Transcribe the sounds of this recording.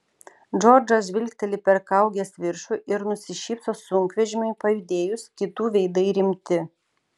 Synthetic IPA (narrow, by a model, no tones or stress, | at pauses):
d͡ʒɔɾd͡ʒosʲʋʲɪlʲkʲt̪ʲɛlʲɪpʲɛɾkɐˑʊɡʲɛsʋʲɪɾʃʊʔɪɾnʊsʲɪʃʲiːpsoːsʊŋʲkʋʲɛʒʲɪmʊɪpɐjʊd̪ʲeːjʊskʲɪt̪uːʋʲɛɪd̪ɐɪɾʲɪmʲt̪ʲɪ